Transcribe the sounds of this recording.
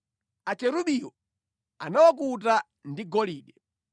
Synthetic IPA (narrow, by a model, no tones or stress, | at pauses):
at͡ʃɛɾuɓijɔ | anawɔk̬uta | ndiɡɔliːɗɛ